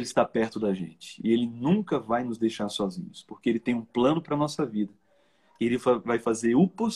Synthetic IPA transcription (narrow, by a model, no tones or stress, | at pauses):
lɪst̪apɛɾt̪ʊd̪ɐʒḛ̃nt͡ʃɪ̥elɪnũkɐvajnʊzd̪ejʃaɾsɔzḭ̃ɲʊspoɾkeelɪt̪ẽj̃ũplɐ̃nʊpɾɐnɔsɐvid̪ɐ | ɪelɪfavajfazeɾʊpos